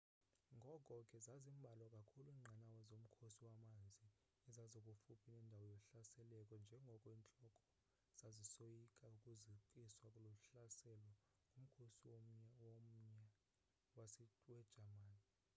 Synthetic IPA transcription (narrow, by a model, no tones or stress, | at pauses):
ŋɡʱɔkʼɔkʼɛzazimbʱalɔkʼakʰuluiːŋ͡ǀʱanawɛzom̩kʰosiwamand͡zʱiː | zazokʼufupʰinɛndʱawɔjɔɬasɛlɛkʼɔnd͡ʒʱɛŋɡʱɔkʼɔiːnt͡ɬʼɔkʼɔ̥ | z̥azisojikʼaukʼuziǃʼiswakʼulɔɬasɛlɔ | ŋʱum̩kʰosiwoɲwom̩ɲɛ | wasɛwɛd̥ʒ̥ʱamaːni